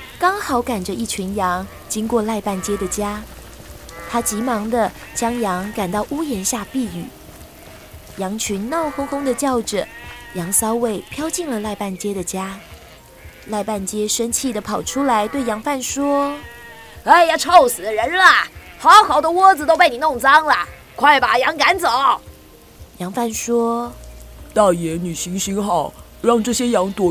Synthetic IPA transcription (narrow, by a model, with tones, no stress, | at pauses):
kɑ˥ŋxɑ˨˧˦ʊka˨˩nʈ͡ʂə˦ʔi˥˩t͡ɕʰy˧˥njɑ˧˥ŋ | t͡ɕi˥ŋkwɔ˥˧la˥˧ɪpa˥˩nt͡ɕjɛ˥d̪ə˨t͡ɕja˥ | t̪ʰa˥t͡ɕi˧˥mɑ˧˥ŋd̪ə˧t͡ɕjɑ˥ŋjɑ˧˥ŋka˨˩nt̪ɑ˥˩ʊʔu˥jɛ˧˥nɕja˥˧pi˥˩y̰˨˩˦ | jɑ˧˥ŋt͡ɕʰy˧˥nnɑ˥˩ʊxʊ˥ŋxʊ˥ŋd̪ə˨t͡ɕjɑ˥˩ʊʈ͡ʂə˨˩˦jɑ˧˥ŋsɑ˥ʊwe˥˩ɪpʰjɑ˥ʊt͡ɕi˥˩ŋlə˨˩la˥˧ɪpa˥˩nt͡ɕjɛ˥ɾə˨t͡ɕja˥ | la˥˧ɪpa˥˩nt͡ɕjɛ˥ʂə˥nt͡ɕʰi˥˩d̪ə˩pʰɑ˨˩ʊʈ͡ʂʰu˥la˧˥ɪt̪we˥˩ɪjɑ˧˥ŋfa˥˩nʂwɔ˥ | e˥˩ɪja˨˩ʈ͡ʂʰo˥˩ʊsɹ̩˨˩d̪ə˦ɻə˧˦˥nlɐ˨xɑ˧˥ʊxɑ˨˩ʊd̪ə˧wɔ˥d͡zɹ̩˨t̪o˥ʊpe˥˩ɪni˨˩nʊ˥˩ŋt͡sɑ˥ŋlɐ˨ | kʰwa˥˩ɪba˨˩jɑ˧˥ŋka˧˥nt͡so˨˦ʊ | jɑ˧˥ŋfa˥˩nʂwɔ˥ | t̪ɑ˥˩ʊjɛ˨˥ny˨˩ɕi˧˥ŋɕi˧˥ŋxɑ˥˩ʊ | ɻɑ˥˧ŋʈ͡ʂɤ˥˩ɕjɛ˥jɑ˧˥ŋt̪wɔ˨˥